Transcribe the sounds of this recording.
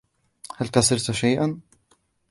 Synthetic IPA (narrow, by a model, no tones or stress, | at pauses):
halkasɪɾt̪ʃajʔan